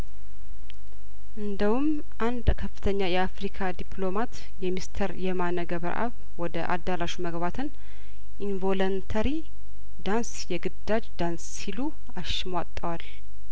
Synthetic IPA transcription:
ʔɨnd̪əwum | ʔand̪kʰəfːɨt̪ʰəɲːajɛafɾikʰad̪ipʰlo̞mat̪ | jɛmist̪ʰəɾjɛmanəɡəβəɾʔa̰β | wɔd̪əʔa̰d̪ːaɾaʃuməɡbat̪ʰɨn | ʔinvolənt̪ʰəɾi | d̪ansjɛɡɨd̪ːad͡ʒd̪ansːilu | aʃɪmwat̪ʼːəwal

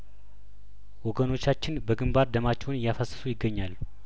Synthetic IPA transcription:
wɔɡəno̞t͡ʃːat͡ʃːɪnbəɡɨmbaɾd̪əmat͡ʃːɛwnɨjafəsːə̥sujɪɡːəɲːalː

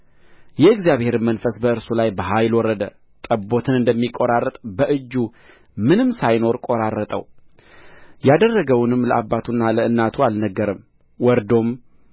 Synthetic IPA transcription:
jɛɨɡzjaβhe̞ɾɨmənfəsbəɨɾsulajbəɦajlwɔɾəd̪ə | t̪ʼəbo̞t̪ʰɨnɨnd̪əmːikʼːoɾarət̪ʼbəʔɨd͡ʒːu | mɨnɨmsajno̞ɾkʼo̞ɾarːət̪ʼə̰w | jad̪ərːəɡəwnɨmːləʔabːat̪ʰunːaləɨnːat̪ʰualnəɡːəɾəm | wɔɾd̪o̞m

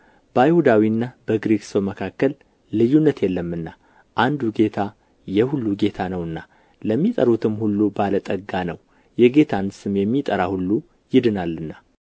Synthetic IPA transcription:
b̥əajhud̪awiɨnːabəɡɾekʼsəwməkʰakːəlː | ɨjunːət̪jɛlːəmːɨnːa | ʔand̪uɡe̞t̪ʰa | jɛhulːuɡe̞t̪ʰanəwɨnːa | ləmːit̪ʼəɾut̪ʰɨmhulːubalət̪ʼəɡːanəw | jɛɡe̞t̪ʰansɨmjɛmːit̪ʼəɾahulːu | jɪd̪ɨnalːɨnːa

